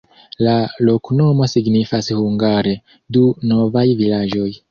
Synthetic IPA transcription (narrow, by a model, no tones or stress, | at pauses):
lalo̞kno̞mo̞siɡnifashuŋɡaɾe̞ | duno̞vajvilad͡ʒo̞j